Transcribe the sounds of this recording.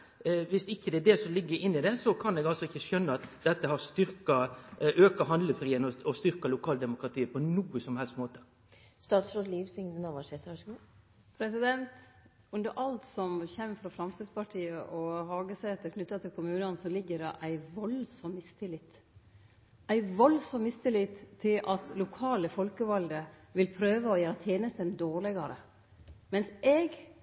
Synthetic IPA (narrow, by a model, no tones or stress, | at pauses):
ʋɪsɪçːəd̪ɛæɖɛsɔmlɪɡːəɾɪnːɪd̪ɛsɔkʰɑnɛːɡɑlsɔɪçːəʃœnːəɑt̪d̪ɛt̪ːəhɑʁst̪ʏɾkɑʔøːkəɦɑnd̪ləfɾiːənɔɔst̪ʏɾkɑlʊkʰɑːld̪ɛmʊkɾɑt̪ʰiːəpʰɔnuːəsɔmhɛlst̪moːt̪ə̥ | st̪ɑːt̪sɾoːd̪liːʋsɪŋd̪ənɑʋɑʂeːɾt̪ʋɑʂɡuː | pʰɾɛsɪd̪ɛnt̪ | ʉnd̪əɾʔɑlt̪sɔmçɛmfɾɑfɾɑmst̪ɪd̪spɑʈʰiːəʔɔɦɑːɡəsɛɛt̪ːəkʰnʉt̪ːɑt̪ʰɪlkʰʊmʉːnɑnsɔlɪɡːəɖɑ̰ʔæɪʋɔlsɔmːɪst̪ʰɪlɪt̪ | æɪʋɔlsɔmːmɪst̪ʰɪlɪt̪t̪ʰːɪlʔɑt̪lʊkʰɑːləfɔlkəʋɑld̪ə | ʋɪlpʰɾøːʋəɔjæːɾɑt̪ʰjeːnəst̪ənd̪oːɾɭɪɡɑɾə̰ | mɛnsɛɡ